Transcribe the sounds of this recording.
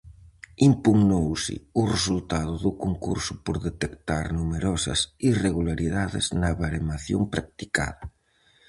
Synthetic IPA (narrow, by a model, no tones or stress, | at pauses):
impuɣnowsɪ̰ʊresult̪aðʊðukoŋkṵɾsʊ̥poɾðet̪ekt̪aɾnumeɾɔsɐ̰sireɣulaɾiðaðɪ̰znaβaɾemaθjo̰mpɾak̚t̪i̥ka̰ðɐ